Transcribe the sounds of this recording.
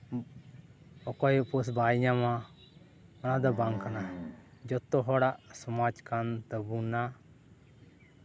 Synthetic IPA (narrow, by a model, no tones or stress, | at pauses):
ɔkɔjpɔs̬bajɲama | ɔnad̪ɔbaŋkanad͡ʒɔt̪ːɔɦɔɽaʔsɔmad͡ʒkant̪əbuna